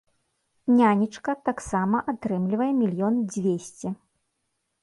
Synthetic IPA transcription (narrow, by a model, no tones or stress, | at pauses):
nʲanʲit͡ʂkɐt̪aksamɐʔat̪ɾɨmlʲivɐjɛmʲilʲjɔnd͡zʲvʲesʲt͡sʲɛ